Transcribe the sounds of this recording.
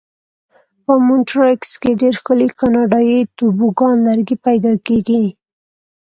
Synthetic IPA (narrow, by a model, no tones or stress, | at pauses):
pəmʊnʈɾɪkskeɖeɾxkəlikɑnɑɖɑjit̪ubuɡɑnlaɾɡipajd̪ɑkeɡi